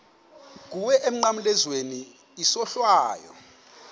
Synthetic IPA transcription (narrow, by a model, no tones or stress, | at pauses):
k̬uwɛʔem̩ŋ͡ǃamulɛzweni | isɔɬwaːjɔ̰